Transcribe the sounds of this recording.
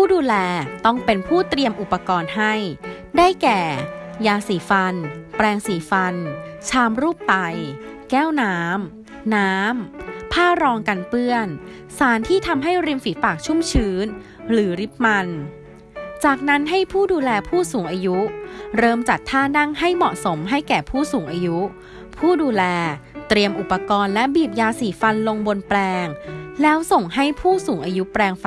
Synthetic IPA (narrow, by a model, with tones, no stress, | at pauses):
pʰuː˥˩duː˧lɛː˧t̪ɔ˥˩ŋpe˧npʰuː˥˩t̪ɾi˧əmʔu˨˩pːa˧kɔː˧nɦa˥˩j | daː˥˩jkɛː˨˩jaː˧siː˩˦fa˧npɾɛː˧ŋsiː˩˦fa˧nt͡ɕʰaː˧mɾuː˥˩pːa˧jkɛː˥˩wnaː˦˥mː | aː˦˥mpʰaː˥˩ɾɔː˧ŋka˧npɯ˥˩ən | saː˩˦nt̪ʰiː˥˩t̪ʰa˧mɦa˥˩jɾi˧mfiː˩˦paː˨˩k̚t͡ɕʰu˥˩mt͡ɕʰɯː˩˦n | ɾɯː˩˦ɾi˦˥p̚ma˧n | t͡ɕaː˨˩k̚na˦˥nɦa˥˩jpʰuː˥˩duː˧lɛː˧pʰuː˥˩suː˩˦ŋʔaː˧ju˦˥ɾɤː˧mt͡ɕa˨˩t̪ʰːaː˥˩na˥˩ŋɦa˥˩jmɔ˨˩ʔso˩˦mɦa˥˩jkɛː˨˩pʰuː˥˩suː˨˩˦ŋʔaː˧ju˦˥ | pʰuː˥˩duː˧lɛː˧t̪ɾi˧əmʔu˨˩pːa˧kɔː˧nlɛ˦˥ʔbiː˨˩p̚jaː˧siː˨˩˦fa˧nlo˧ŋbo˧nplɛː˧ŋlɛː˦˥wso˨˩ŋɦa˥˩jpʰuː˥˩suː˩˦ŋʔaː˧ju˦˥pɾɛː˧ŋf